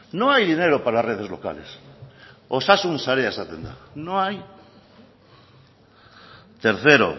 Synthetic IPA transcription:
nõajðineɾopaɾaareðezloka̰les | osasunsaɾeesat̪end̪a̰nõaj | t̪eɾθeɾo̰

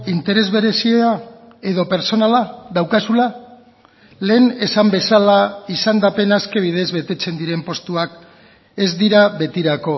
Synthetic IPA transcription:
int̪e̞ɾe̞zβe̞ɾe̞siea | e̞ðo̞pe̞ɾso̞nalaðawkasula | le̞ːne̞sambe̞salaisand̪ape̞naske̞β̞ið̞e̞zβe̞t̪e̞t͡se̞nd̪iɾe̞mpo̞st̪uak | e̞zd̪iɾaβe̞t̪iɾako̞

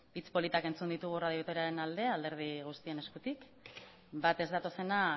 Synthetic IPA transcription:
it͡spo̞lit̪ake̞nt͡sund̪it̪uɣ̞urað̞iot̪eɾaɾe̞nald̪e̞ald̪e̞ɾð̞iɣ̞ust̪ie̞ne̞skut̪ik | bat̪e̞zðat̪o̞se̞na

